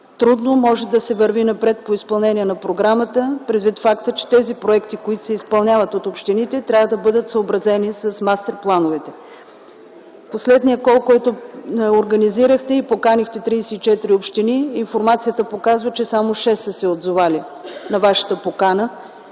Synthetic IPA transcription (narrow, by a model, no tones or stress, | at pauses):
t̪ɾud̪nomɔʒɛd̪ɐsɛvəɾvinɐpɾɛt̪̚poispɐlˠnɛniɛnɐpɾoɡɾamət̪əpɾɛd̪vit̪fakt̪ət͡ʃɛ̥t̪ɛzipɾoɛkt̪ikoit̪o̥sɛispɐlˠnʲavət̪ot̪opʃt̪init̪ɛt̪ɾʲavəd̪ɐbɤd̪ət̪səobɾɐzɛnisɐsmast̪ɛɾplˠanovɛt̪ɛ | poslɛd̪nijəkɔlˠkɔjt̪ʊoɾɡəniziɾəxt̪ɛipokanixt̪ɛt̪ɾiːsɛit͡ʃɛt̪iɾiopʃt̪iniinfoɾmat̪sijət̪əpokazvət͡ʃɛsamoʃɛsːəsɛod̪zovali | nɐvaʃə̥t̪əpokanə